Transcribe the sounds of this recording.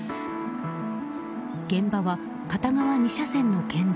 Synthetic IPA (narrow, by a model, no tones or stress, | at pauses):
ɡ̥ẽ̞mbaβa | kat̪amaβaɲ̟iɕasẽ̞nːo̞kẽ̞nd̪